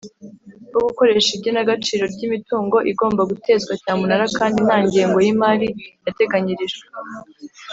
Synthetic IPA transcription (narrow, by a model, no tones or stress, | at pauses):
boɡuko̞ɾe̞ʃibɟo̞naɡat͡ʃiːɾo̞ɾɟimituːŋɡo̞ʔiɡo̞ːmbaɡutʰe̞ːzɡwacaːmunaɾakaːndin̥haːɲɟeeŋɡo̞jimaːɾijate̞ɡaɲiɾiʒe